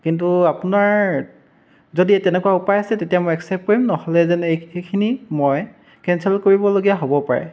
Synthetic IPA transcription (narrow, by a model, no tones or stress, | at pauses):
kintuapunaɹ | zodiɛtɛnɛkuwaupajsɛtetiamɔjɛksɛp̚koɹimnɔhɔlɛzɛneekʰinimoj | kɛnsɛlkoɹibɔloɡijaɦobɔpa̰ɹɛ̰